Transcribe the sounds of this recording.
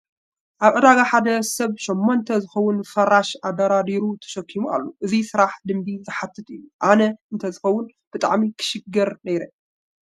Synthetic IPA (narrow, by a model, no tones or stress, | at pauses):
ʔaβʕɨd̪aɡaħad̪ɐsɐβʃomːont̪ʰɐzɨxɐwʊnfɐɾaʃʔad̪ɐɾad̪iɾut̪ʰɐ̥ʃɐkʰːimuʔa̰lːoʔɨzisɨɾaħd̪ɨmbizɨħat̪ʰːɨt̪ʼɨjːuʔanɐɨnt̪ʰɐzɨxɐwʊn | b̥ɨt̪ʼa̰ʕmikʰɨ̥ʃɨɡɐɾnɐjɾɐ